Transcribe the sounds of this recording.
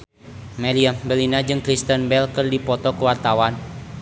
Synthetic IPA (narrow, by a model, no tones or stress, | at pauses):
mɛliambəlinad͡ʒɨŋkɾist̪ənbɛlkɨrdipɔt̪ɔkəwart̪awan